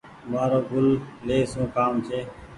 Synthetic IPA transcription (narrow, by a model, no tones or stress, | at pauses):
maːɾoːɡʱʊlleːsũːkaːmt͡ʃʰeː